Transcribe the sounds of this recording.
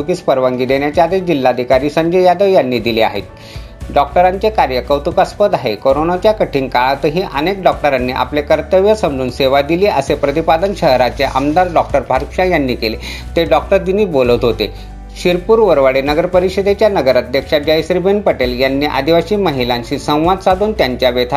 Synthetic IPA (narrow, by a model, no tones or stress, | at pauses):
ukiːt͡spəɾʋəŋɡiːd̪eɳjat͡ɕjad̪ʱed͡ʑilːad̪ʱikaɾiːsəɲd͡ʑejad̪əʋjanːiːd̪ilia̰ɦḛt̪̚ | ɖɔk̚ʈəɾaɲt͡ɕekaɾjəkəʋt̪ukaspəd̪aɦekoɾonat͡ɕjakəʈʰiŋkaɭt̪əɦiːʔənek̚ɖɔk̚ʈəɾanːiːʔa̰plekəɾt̪əʋjəsəmd͡zuːnseʋad̪iliːʔəsepɾət̪ipad̪ənɕəɦɾat͡ɕeʔə̰md̪aɾɖɔk̚ʈəɾpaɾkɕãjanːiːkele | t̪eɖɔk̚ʈəɾd̪iniːbolət̪ɦot̪ḛ | ɕiɾpuːɾʋəɾʋəɽenəɡəɾpəɾiɕəd̪et͡ɕjanəɡəɾat̪̚d̪ekʂad͡ʑəjsɾibenpəʈeljanːiːʔa̰d̪iʋaɕiːməɦilãɲɕisə̃w̃ʋad̪sad̪uːnt̪jaɲt͡ɕjaʋet̪ʰa